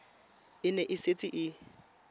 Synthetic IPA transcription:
ɪnɛʔɪset͡sʼɪʔɪ

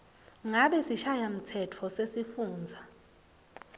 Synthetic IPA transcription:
ŋaɓɛsiʃajam̩tʰɛtʰɔsesifuːnd͡zʱa

